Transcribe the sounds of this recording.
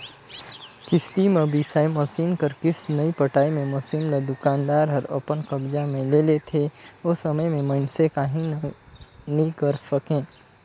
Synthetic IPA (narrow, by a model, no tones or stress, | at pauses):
kɪʃt̪imẽbisaːemɐsiːnkɐɾkɪsnɐipəʈaːemẽmɐsiːnlad̪ʊkaːnd̪aːɾɦɐɾə̰pənkɐbd͡ʒamẽleːlet̪ʰeʊsɐməjmẽmənsekaːɦĩ | nĩkɐɾsəkẽː